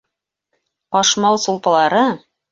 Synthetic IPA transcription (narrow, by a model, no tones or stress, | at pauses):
ɑʃmɑwˠsulˠpɑ̆lˠɑɾɤ